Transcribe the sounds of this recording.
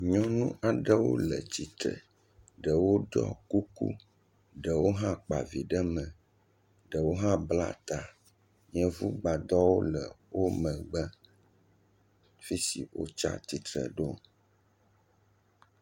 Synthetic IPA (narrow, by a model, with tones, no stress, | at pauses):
ɲɔ̃˦nũ˦ʔa˨ɖə˦wo̰˦lə˨t͡ɕi˨t̪ɾə̰˨ | ɖə˨wo˦ɖɔ̰˦ku˦kṵ˦ | ɖə˨wo˦ɦã˦k͡pa˨vi˨ɖə˦mə̃˨ | ɖə˨wo˦ɦã˦bla̰˦t̪a˨ | ɲɛ̃˦vu˦ɡ͡ba˨d̪ɔ˦wo˦lə˨ | wo˦mə̃˨ɡ͡bə˦ | fi˦sḭ˨wo̰˦t͡ʃa̰˦t̪i˨t̪ɾə̰˨ɖo˦